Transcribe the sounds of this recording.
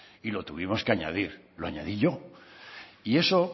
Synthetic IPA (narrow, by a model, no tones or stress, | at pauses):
ilo̞t̪uβimo̞skeaɲa̰ðiɾ | loaɲa̰ðiʎo̞ | ie̞so